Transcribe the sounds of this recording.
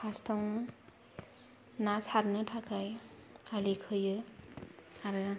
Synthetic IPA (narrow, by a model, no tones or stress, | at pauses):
pʰastʰɔŋɯ | nasaɾnɯtʰakʰajalikʰɯjɯ | aɾɯ